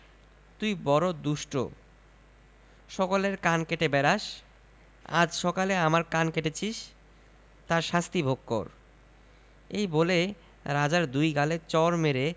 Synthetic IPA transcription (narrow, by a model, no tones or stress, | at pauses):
t̪ujbɔɾod̪uʃʈo̰ | ʃɔkoleɾkankeʈebɛɾaʃ | a̰d͡ʑʃɔkaleamaɾkankeʈet͡ɕʰiʃ | t̪aɾʃast̪ibʱoɡːo̰ɾ | ejbole | ɾad͡ʑaɾd̪ujɡalet͡ɕɔɾmeɾe